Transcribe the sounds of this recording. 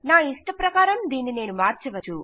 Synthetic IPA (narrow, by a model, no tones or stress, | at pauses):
naːiʂʈɐpɾɐkaːɾɐmd̪iːnːine̞ːnumaːɾt͡ʃɛʋɐt͡ʃːu